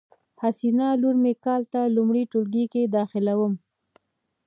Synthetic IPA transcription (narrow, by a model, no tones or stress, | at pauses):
hasinɑluɾmekɑlt̪alumɽiʈʊlɡiked̪ɑxɪlawəm